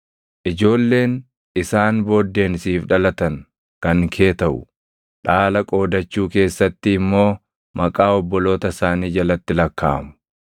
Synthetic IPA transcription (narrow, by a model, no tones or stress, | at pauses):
ʔɪd͡ʒo̞ːlːe̞ːn | ʔɪsaːnbo̞ːd̪ːe̞ːnsiːfᶑɐlɐt̪ɐŋ | kɐŋkʰe̞ːt̪ɐʔʊ̰ | ᶑaːlɐkʼo̞ːd̪ɐt͡ʃːuːke̞ːsːɐt̪ːɪːmːo̞ː | mɐkʼaːɔbːɔlo̞ːt̪ɐsaːniːd͡ʒɐlɐt̪ːɪlɐkːa̰ːmʊ̥